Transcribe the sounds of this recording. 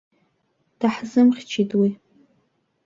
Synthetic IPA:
d̥aħzɨmχʲt͡ʃʰitʼwi

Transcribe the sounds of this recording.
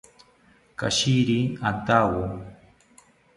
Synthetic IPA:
ka̰ʃiɾiant̪awo

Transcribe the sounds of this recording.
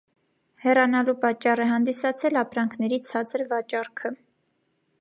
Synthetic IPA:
hɛrɑnɑlupɑt͡ʃːɑrɛɦɑnd̪isɑt͡sʰɛlɑpɾɑŋkʰnɛɾit͡sʰɑt͡səɾvɑt͡ʃɑɾkʰə

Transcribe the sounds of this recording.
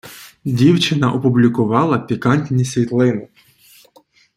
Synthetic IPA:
dʲiwt͡ʃɪnɐʔɔpʊblʲikʊʋɑlˠɐpʲikɑnʲtʲnʲisʲʋʲit̪lˠɪnɪ

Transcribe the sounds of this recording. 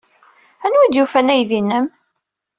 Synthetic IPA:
ænwid̪jufænæjðinːəm

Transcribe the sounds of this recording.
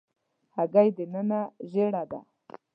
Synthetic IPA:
haɡajd̪ənənaʒeɽad̪a̰

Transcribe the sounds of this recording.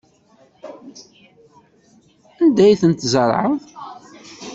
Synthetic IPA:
ænd̪æjθənt̪zəɾˤʕəðˤ

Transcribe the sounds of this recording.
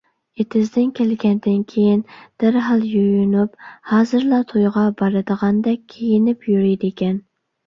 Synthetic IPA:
et̪ʰɪzd̪ɪnkʲʰɛlɡʲɛnd̪ɪnkʲʰejind̪̥ɪɾɦɑlˠjujunuphɑːzɨɾlˠɑt̪ʰojʁɑbɑɾɨd̪əʁɑnd̪ɛkʲʰːejɪnɪpjyɾɪjd̪ekʲɛn

